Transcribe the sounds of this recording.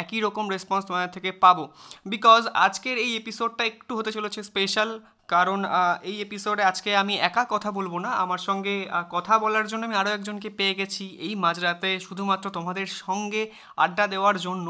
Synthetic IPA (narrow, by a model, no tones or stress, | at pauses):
ɛkiɾɔkomɾespɔnst̪omad̪eɾt̪ʰekepabobikɔza̰d͡ʑkeɾejepisoɖ̚ʈaekʈuɦot̪et͡ɕolet͡ɕʰespeʃal | kaɾonejepisoɖead͡ʑkeamiɛkakɔt̪ʰabolbonaamaɾʃɔŋɡekɔt̪ʰabɔlaɾd͡ʑonːoamiaɾoɛk̚d͡ʑonk̬epeeɡɛt͡ɕʰiejmad͡ʑɾat̪eʃud̪ʱumat̪ːɾot̪omad̪eɾʃɔŋɡe | a̰ɖːad̪eoaɾd͡ʑonːo